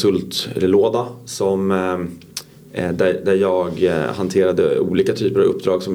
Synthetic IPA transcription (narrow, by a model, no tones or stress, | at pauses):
sɵlt̪ɛ̰lɛloːd̪asɔm | d̪æd̪æɾjɑːɡhant̪ʰeːɾad̪əuːliːkat̪ʰyːpəɾavɵ̰pːd̪ɾɑːɡsɔm